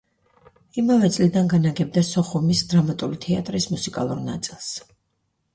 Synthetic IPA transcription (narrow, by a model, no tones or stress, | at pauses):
imavɛt̪sʼlid̪anɡanaɡɛb̚d̪asɔχumisd̪ɾamat̪ʼulit̪ʰɛat̪ʼɾismusikʼa̰lˠuɾna̰t̪sʼilˠs